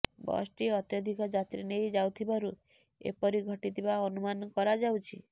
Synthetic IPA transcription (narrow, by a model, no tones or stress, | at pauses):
bɔ̰sʈiɔt̪jɔd̪ʱikɔd͡ʒat̪ɾinejd͡ʒawt̪ʰibaɾu | ḛpɔɾiɡʱɔʈit̪ʰibaɔnumanɔkɔɾad͡ʒawt͡ʃʰi